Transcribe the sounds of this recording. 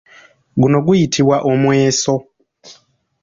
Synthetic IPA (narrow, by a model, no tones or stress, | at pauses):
ɡuno̞ɡujitʰiβwaʔomweːso̞